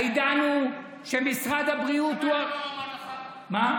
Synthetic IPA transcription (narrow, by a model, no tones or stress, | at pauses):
jd̪anu | ʃemisʁad̪abʁiut̪ua | ma